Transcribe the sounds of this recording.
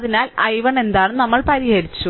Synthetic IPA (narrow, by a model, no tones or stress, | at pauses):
ðinaːlɐjʋɐɳe̞nd̪aːɳɨnɐmːɐɭpɐɾihɐɾit͡ɕːu